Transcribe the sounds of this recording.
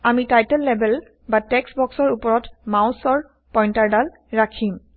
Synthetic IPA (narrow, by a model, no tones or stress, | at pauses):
amitajtɛlːɛbɛl | batɛksbɔksɔɹupɔɹɔtmawsɔɹ | pɔjntaɹdal | ɹakʰim